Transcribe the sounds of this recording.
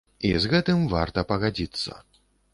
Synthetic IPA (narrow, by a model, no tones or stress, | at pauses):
ḭzɣɛt̪ɨmva̰rt̪ɐpɐɣad͡zʲit̪sːɐ̰